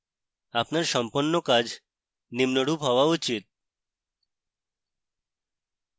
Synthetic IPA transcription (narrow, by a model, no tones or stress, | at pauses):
apnaɾʃɔmponːokad͡ʑ | nimnoɽupɦɔoaut͡ɕit̪̚